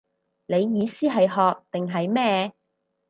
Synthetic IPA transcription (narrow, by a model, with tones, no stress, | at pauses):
ne˨˧jːiː˨˧siː˥ɦɐ˨jɦɔː˨k̚t̪ɪ˨ŋɦɐ˨jmɛː˥